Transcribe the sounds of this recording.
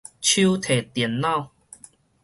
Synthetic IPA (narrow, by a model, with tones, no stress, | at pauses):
t͡ɕʰu˦t̪ʰe˨˩t̪ɛ˨˩˦nːã˥˨w